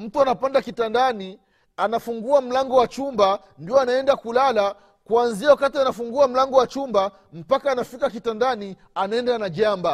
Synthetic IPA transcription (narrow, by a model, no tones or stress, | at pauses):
m̩tuanapandakitandani | anafuŋɡuam̩laŋɡɔwat͡ʃumba | ndiɔanaɛndakulala | kwanziawakatianafuŋɡuam̩laŋɡɔwat͡ʃumba | m̩pakaːnafikak̬itandani | anaɛndanaʄamba